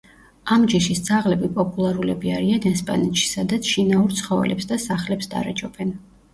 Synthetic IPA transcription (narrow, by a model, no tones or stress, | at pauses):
amd͡ʒiʃisd̪z̥aʁlɛbipʼɔpʼulˠaɾulɛbiaɾianɛspʼa̰nɛt̪ʃi̥sad̪at̪sʰʃinauɾt̪sʰχɔvɛ̰lɛ̰psd̪asaχlɛpsd̪a̰ɾɛd͡ʒɔbɛn